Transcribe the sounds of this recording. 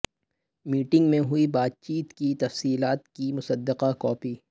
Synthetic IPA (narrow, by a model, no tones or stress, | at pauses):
miːʈɪ̃ŋɡmẽɦʊibaːd̪̚t͡ʃiːt̪kit̪ɐfsiːlaːt̪̚kimʊsəd̪ːɪqakɔːpiː